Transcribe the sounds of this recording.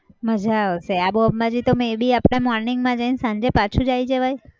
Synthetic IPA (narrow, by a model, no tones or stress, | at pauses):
məd͡ʒʱaɦoseaboəmmad͡ʒit̪omebʱiapɽ̃emɔɾnɪŋɡmãd͡ʒəinsãɲd͡ʒepat͡ʃʰũd͡ʒajd͡ʒeʋaj